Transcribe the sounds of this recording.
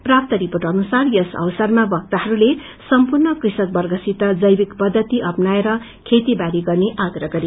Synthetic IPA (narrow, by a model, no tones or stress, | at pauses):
prap̚t̪ʌɾiporʈʌnusarjʌsʌ̰wsarmabʌk̚t̪aɦʌɾule | sʌmpurnʌkrisʌk̚bʌrɡʱʌsit̪ʌd͡zʌjbikpʌd̪ʱːʌt̪iʔʌpnaeɾʌ | kʰet̪ibaɾiɡʌrneʔaɡrʌɡʌɾi